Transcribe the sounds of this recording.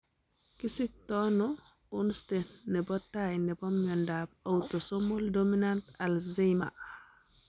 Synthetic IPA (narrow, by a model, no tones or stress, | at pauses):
kisik̚tɔnɔ | unstenːɛbɔtajnɛbɔmɲɔndab̚awtosomoldominantalzima̰